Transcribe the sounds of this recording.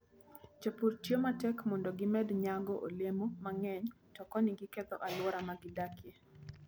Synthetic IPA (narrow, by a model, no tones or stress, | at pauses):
t͡ʃapurtjomatɛkmɔndɔɡɪmɛd̪ɲaɡɔʔolemomaŋɛɲ | tɔkɔniɡikɛt̪ɔ̰ʔalwɔɾamaɡɪdakje